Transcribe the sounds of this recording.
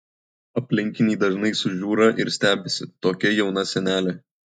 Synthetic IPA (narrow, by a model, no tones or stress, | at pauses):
ɐpʲlʲɪŋʲkʲɪnʲɛːd̪ɐʒnɐɪsʊʒʲuːɾɐʔɪ̰ɾsʲt̪ʲæːbʲɛsʲɪt̪oːkʲɛjɛʊnɐsʲɛnʲæːlʲe